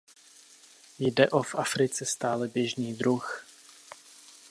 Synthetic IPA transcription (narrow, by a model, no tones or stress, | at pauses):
jdɛʔofʔafɾɪt͡sɛst̪aːlɛbjɛʒniːd̪ɾux